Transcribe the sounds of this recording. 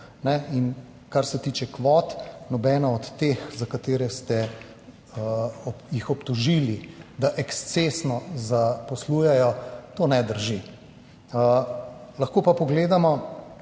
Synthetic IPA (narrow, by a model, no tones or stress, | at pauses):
nɛin | kaɾsɛt̪iːt͡ʃɛkʋɔt̪nɔbɛːnaɔt̪ːexzakat̪eːɾɛst̪ɛ | ɔjixɔpt̪ɔʒiːlid̪aʔɛkst̪sesnɔzapɔsluːjɛjɔt̪oːnɛd̪əɾʒi | lɐxkoːpapɔɡleːd̪amɔ